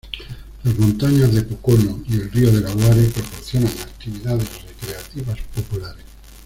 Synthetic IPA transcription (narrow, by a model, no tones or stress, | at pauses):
lazmont̪aɲazðepokonoielrioð̞e̞laɣwaɾepɾo̞poɾθjo̞naŋak̚t̪iβiðaðe̞zrekɾe̞at̪iβ̞aspopulaɾes